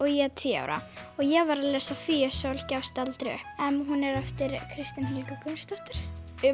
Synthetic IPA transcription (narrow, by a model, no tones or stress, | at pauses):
ɔɣjɛat̪ʰiːa̰ːwɾa̰ɔɣjɛɣvaɾaðlɛːsafiːœsawlcafst̪alt̪ɾɪʏ̰ɛnɦunɛɾɛft̪ɪɾkʰɾɪst̪ɪnɦɪlkakʰʏnst̪ɔht̪ɪɾ̥